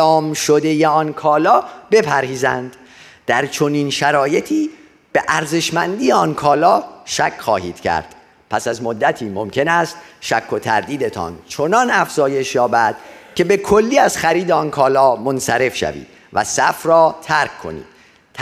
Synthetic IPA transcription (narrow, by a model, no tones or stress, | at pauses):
ɒːmʃo̞d̪e̞jeɒnkʰɒːlɒːbe̞pʰæɾhiːzænd̪ | d̪̥æɾt͡ʃʰo̞niːnʃæɾɒːje̞t̪ʰiː | b̥eʔæɾze̞ʃmænd̪ijeɒnkʰɒːlɒːʃæcʰχɒːhiːd̪̥cʰæ̰ɾd̪̥ | pʰæsæzmo̞d̪ːæt̪ʰiːmo̞mcʰe̞næst̪ʃækʰːo̞t̪ʰæ̰ɾd̪iːd̪e̞t̪ʰɒ̰nt͡ʃʰonɒnæfz̥ɒːje̞ʃjɒːbæd̪̥cʰe̞be̞kʰo̞lːiːæz̥xæɾiːd̪eɒnkʰɒːlɒːmo̞nsæɾe̞fʃæ̰vḭːd̪̥ | væ̰sæfrɒːt̪ʰæɾkkʰːo̞̰nḭːd̪̥